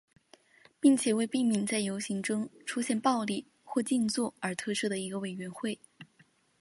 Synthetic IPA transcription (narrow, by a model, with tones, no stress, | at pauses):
pi˥˩ŋt͡ɕʰjɛ˨˩we˥˧ɪpi˥˩ŋmi˧˥ŋt͡sa˥˩ɪjo˧˥ʊɕi˧˥ŋʈ͡ʂʊ˥ŋʈ͡ʂʰu˥ɕjɛ˥˩npɑ˥˧ʊli˥˩ | xwɔ˥˧t͡ɕi˥˧nt͡swɔ˥˩ə˞˧˥t̪ʰɤ˥˧ʂɻ̩˥˩d̪ə˩i˧˥ɡə˧we˨˩ɪɥɛ˧˥nxwe˥˩ɪ